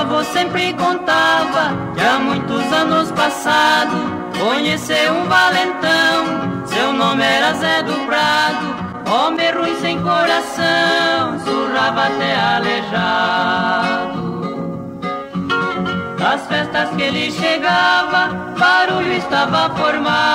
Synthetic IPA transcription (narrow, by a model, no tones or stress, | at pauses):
vosẽmpɾɪkõnt̪avɐkɪamũj̃t̪ʊzɐ̃nʊspasad̪ʊ | koɲeseɾũvalẽnt̪ɐ̃w̃sewnõmɪɛɾɐzɛd̪ʊpɾad̪ʊ | õmẽruj̃sẽj̃koɾasɐ̃w̃suʒavɐat̪ɛaleʒa | d̪ʊ | d̪ɐsfɛst̪ɐskelɪʃeɡavɐ | baɾuʎʊɪst̪avɐfoɾma